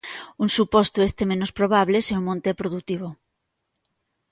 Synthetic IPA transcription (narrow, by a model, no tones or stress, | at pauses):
uŋsupɔst̪oest̪emẽnospɾoβ̞aβleseumõnt̪epɾoðut̪iβ̞o